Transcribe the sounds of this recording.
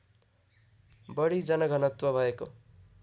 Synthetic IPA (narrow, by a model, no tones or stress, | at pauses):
bʌɽid͡zʌnʌɡʱʌnʌt̪wʌbʱʌeko